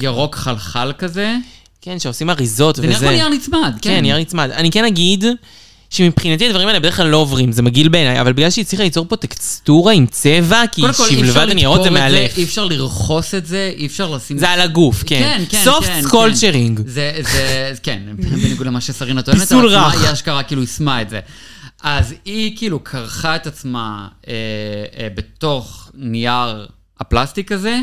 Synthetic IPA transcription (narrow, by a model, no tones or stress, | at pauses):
jaʁo̞kχalχalkaze̞ | kenʃeosimaʁizot̪vejaʁnit͡smad̪kenjaʁnit͡smad̪anikenaɡid̪ | ʃemipχinat̪iad̪vaʁimaelebe̞eχklalo̞ovʁimzemaɡilbe̞ːnaja̰valbiɡlalʃeit͡sliχalit͡so̞ʁpo̞t̪ekst̪uʁaimt͡sevakikolilevadanijaʁozemealefifʃaʁliʁχo̞setze̞ʔiefʃaʁlasimzealaɡufkeenkesofnkolt͡ʃeʁiŋɡzezekenbeneɡudlemaʃesaʁinat̪obienesulʁaaaʃkaʁakiːluismaetzeazikiːlukʰaʁχaet̪at͡smaebet̪o̞χniaʁ | aplast̪ikaze